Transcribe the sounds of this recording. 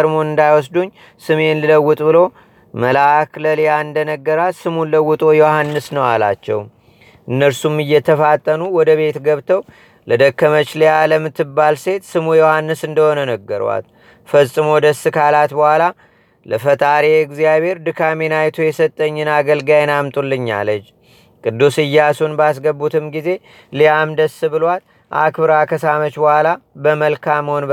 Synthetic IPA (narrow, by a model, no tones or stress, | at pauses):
əɾmo̞nɨnd̪ajwɔsd̪uɲː | sɨme̞nlɨləwːʊt̪ʼbɨlo̞ | məlakləljaɨnd̪ənəɡːəɾalsɨmunləwːʊt̪ʼo̞johanːɨsnəwala̰t͡ʃːɛ̰w | ʔɨnːəɾsumɨjːɛt̪ʰəfat̪ʼːənuwɔd̪əβe̞t̪ɡəβt̪ʰəw | ləd̪əkʰːəmət͡ʃlejaləmɨt̪ːɨbːalse̞t̪sɨmujohanːɨsɨnd̪əho̞nənəɡːəɾ̰wa̰t̪ | fəsʼɨmo̞d̪əsːɨkʰalat̪bəhʷala | ləfət̪ʼaɾeɪɡzijaβhe̞ɾd̪ɨkʰamenajt̪ʰojɛsət̪ʼːəɲːɨnaɡəlɡajɛnamt̪ʼulːɨɲːa̰lət͡ʃː | kʼɨd̪ːusɨjːasunbas̬ɡəbːut̪ʰɨmɡize̞ | lijamd̪əsɨbɨlwat̪ | ʔa̰kbɨɾakʰəsamət͡ʃbəhʷalabəməlkʰaməhon